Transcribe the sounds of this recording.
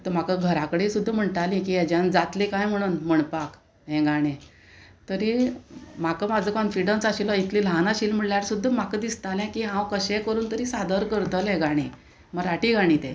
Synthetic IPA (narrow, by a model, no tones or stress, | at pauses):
t̪əm̤akəɡʱəɾakɽesud̪ʱːəm̤əɳt̪alĩkiɛd͡ʑãnd͡zat̪lekajm̤əɽ̃uːnm̤əɳpak | ɦɛ̃ɡaɽ̃ẽ | t̪əɾimakəmad͡zʱəkɔnfiɽənsaɕilɔit̪lilãnaɕiːlm̤əɽljaɾsud̪ʱːəm̤akəd̪ist̪alɛ̃kiɦãwkəɕɛkəɾuːnt̪əɾiːsad̪əɾkəɾt̪əlɦɛ̃ɡaɽ̃e | məɾaʈiːɡaɽ̃it̪ɛ̃